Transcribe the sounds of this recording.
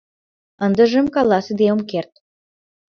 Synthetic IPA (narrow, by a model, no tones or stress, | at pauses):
ənd̪ə̆ʒə̆mkɑlɑsəd̪eomkert̪̚